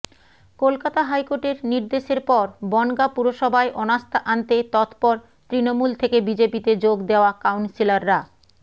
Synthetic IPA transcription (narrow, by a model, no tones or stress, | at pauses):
kolkat̪aɦajkoʈeɾniɾd̪eʃeɾpɔɾbɔŋɡapuɾoʃɔbʱaeʔɔnast̪ʰaʔant̪et̪ɔt̪pɔɾ | t̪ɾinomult̪ʰekebid͡ʑepit̪ed͡ʑoɡd̪eoakawnsilaɾːa